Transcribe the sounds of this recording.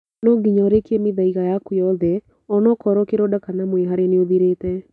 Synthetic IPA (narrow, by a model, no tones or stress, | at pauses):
nɔɡiɲɔɾekjemɪðaiɣajakʊjɔðɛ | ɔnɔkɔɾɔkeɾɔdakanamoeɦaɾeneoðiɾet̪ɛ